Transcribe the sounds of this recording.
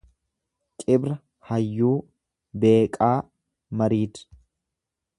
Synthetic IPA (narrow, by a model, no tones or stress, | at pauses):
kʼɪbɾɐ | hɐjːuː | be̞ːkʼaː | mɐɾiːt̪